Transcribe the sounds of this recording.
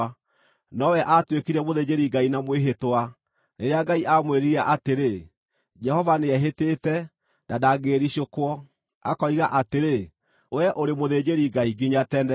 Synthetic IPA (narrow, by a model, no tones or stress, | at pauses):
nɔwɛʔatwekiɾɛmoðed͡ʑeɾiɡainamweɦetowa | neɾeaɡaiʔamweɾiɣaʔateɾe | d͡ʒɛhɔvaneɛɦeteːtɛ | dadaɡeːɾiɕokwɔ | a̰kɔiɣaʔateɾe | wɛʔoɾemoðed͡ʑeɾiɡaiɡiɲatɛnɛ